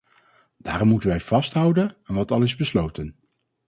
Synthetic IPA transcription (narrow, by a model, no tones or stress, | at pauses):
d̥aːrɔmːutənʋɛjv̥ɑstɦʌwdənɛnʋɑtɑlˠɪzbəslowtən